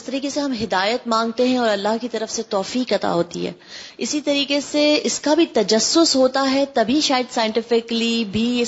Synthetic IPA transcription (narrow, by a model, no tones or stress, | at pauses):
ɪst̪ɐɾiːkeseɦɐmɦɪd̪aːjət̪mãːŋɡ̚t̪eɦɛ̃ɔːɾɐlːaɦkit̪ɐɾəfset̪ɔːfiːkɐt̪a̰ɦoːt̪ḭɦɛ̰ː | ɪsit̪ɐɾiːkeseɪskabʱit̪ɐd͡ʒɐsːʊsɦoːt̪aɦɛt̪ɐbʱiʃaːjəd̪saːjɪ̃ɳʈɪfɪklibʱiɪ